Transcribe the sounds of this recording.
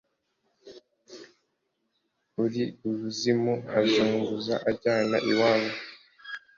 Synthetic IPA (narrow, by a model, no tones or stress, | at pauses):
uɾiuɾuzimuazuːŋɡuzaʔaɟaːnaʔiwaːβo